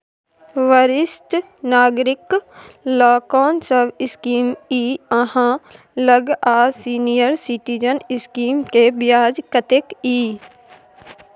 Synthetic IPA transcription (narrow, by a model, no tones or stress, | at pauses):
ʋəɾɪst̪ | naːɡɾɪklaːkɔːnsəbɪskiːmiːəɦã | ləɡaːsiːnijəɾsɪʈid͡ʒənɪskiːmkebɪjaːd͡ʒkət̪ekiː